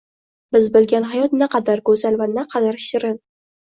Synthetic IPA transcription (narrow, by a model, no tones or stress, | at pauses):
bɪzbɪlɡʲanɦajɒt̪nɪqʰɑd̪aɾɡɵzalvanaqʰɑd̪aɾʃɪɾɪn